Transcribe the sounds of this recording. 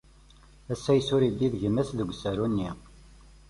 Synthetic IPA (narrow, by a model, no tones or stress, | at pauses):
æsːæjsʊɾid̪iðʝəmæsðəɡʷsæɾunːi